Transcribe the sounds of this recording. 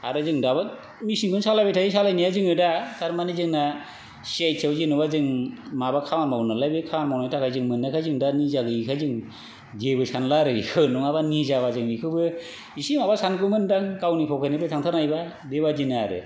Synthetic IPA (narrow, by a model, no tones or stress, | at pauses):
aɾɯzɯŋdaba | misiŋkʰɯnsalabitʰajisalajnijazɯŋɯdatʰaɾmanezɯŋna | siajtʰawzinɯbazɯŋmabakʰawanmawnalajbɯkʰawanmawnajtʰakʰajzɯŋmɯnːakʰajzɯŋdanizaɡɯikʰazɯŋ | d͡ʒebɯsanlaɾɯikʰɯnɔŋaβanizabazɯŋbikʰɯbɯ | isimabasanɡɯmɯndaŋkawnipʰɔwkʰanɯpetʰaŋtʰaɾnajba | debad͡ʒinaɾɯ̰